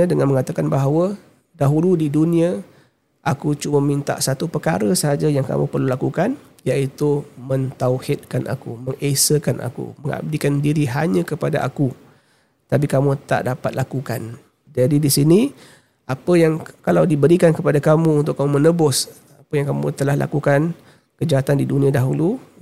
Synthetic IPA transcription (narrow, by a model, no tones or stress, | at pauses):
ədəŋanməŋat̪akanbaɦawə | daɦuludidunĩa | ʔakut͡ʃuməmint̪a̰ʔsat̪upərkaɾəsəɦad͡ʒajaŋka̰mṵpərlulakukan | jaʔit̪umənt̪auhɪt̪̚kanʔa̰kṵməŋʔesəkanʔa̰kṵməŋa̰b̚dikandiɾiɦaɲə̃kəpada̰ʔa̰ku | t̪ap̬ikamũt̪a̰ʔdapat̪̚lakukan | d͡ʒadidisini | apəjaŋkalawdibəɾikankəpadakamũːnt̪ʊkːamumənəbʊs | apəjaŋkamṵt̪əlahlʔa̰kukan | kəd͡ʒaɦat̪andidunĩadaɦulu